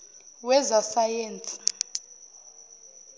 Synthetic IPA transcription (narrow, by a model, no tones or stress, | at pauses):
wɛzasajeːnt͡sʼi̥